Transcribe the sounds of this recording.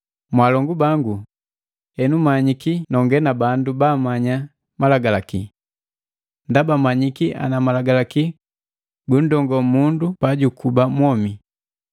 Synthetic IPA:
mwalɔŋɡubaŋɡu | hɛnumaɲikinɔŋɡɛnabandubaːmaɲa | malaɡalaki | ndabamaɲikiʔa̰namalaɡalaki | bun̩dɔŋɡɔmundupaɟukubamwɔmi

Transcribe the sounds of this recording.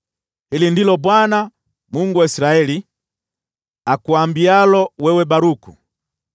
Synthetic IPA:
hilindilɔbwana | muŋɡuwaisiɾaɛli | akuambialɔwɛwɛbaɾuku

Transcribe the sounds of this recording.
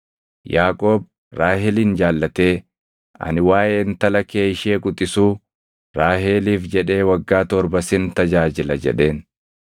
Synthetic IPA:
jaːkʼo̞ːb̚ | ɾaːhɛliːnd͡ʒaːlːɐt̪e̞ː | ɐ̰nɪwaːʔeːnt̪ɐlɐke̞ːɪʃeːkʼʊt̪ʼɪsuː | ɾaːheːliːfd͡ʒɛᶑe̞ːwɐɡːaːt̪ɔɾbɐsɪnt̪ɐd͡ʒaːd͡ʒɪlɐd͡ʒɛ̰ᶑe̞ːn

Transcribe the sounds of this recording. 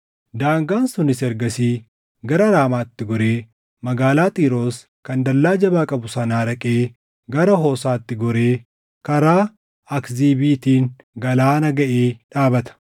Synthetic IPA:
d̪aːŋɡaːnsʊnɪsɛɾɡɐsiː | ɡɐɾɐɾaːmaːt̪ːɪɡɔɾe̞ː | mɐɡaːlaːt̪ʼiːɾoːs | kɐnd̪ɐlːaːd͡ʒɐbaːkʼɐbʊsɐnaːɾɐkʼeː | ɡɐɾɐɦoːsaːt̪ːɪɡɔɾe̞ː | kɐɾaː | ɐkziːbiːt̪iːŋ | ɡɐlaːnɐɡɐʔeːᶑaːbɐt̪ɐ̥

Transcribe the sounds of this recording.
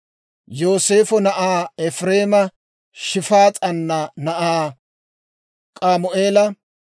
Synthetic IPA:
jo̞ːseːfɔnɐʔaːɛfɾe̞ːmɐ | ʃɪfaːt͡sʼɐnːɐnɐʔaː | kʼaːmʊʔe̞ːlɐ

